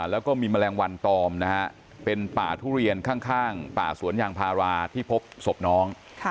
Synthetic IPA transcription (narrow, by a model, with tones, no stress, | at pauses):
lɛː˦˥wkɔː˥˩miː˧ma˧lɛː˧ŋwa˧nt̪ɔː˧mna˦˥ | pe˧npa̰ː˨˩t̪ʰuː˥˩ɾi˧ənkʰaː˥˩ŋkʰaː˥˩ŋpa̰ː˨˩su˩˦ənjaː˧ŋpʰaː˧ɾaː˧t̪ʰiː˥˩pʰo˦˥p̚so˨˩p̚nɔː˦˥ŋʰ